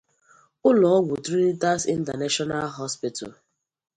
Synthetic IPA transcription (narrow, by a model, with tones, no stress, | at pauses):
ʊ˦lɔ˨ɔ˦ɡu˨tɾi˦i˦ta˦sḭ˦n̩˦ta˨na˦ʃɔ˦na˦lɦɔ˦spi˦tʰa̰˨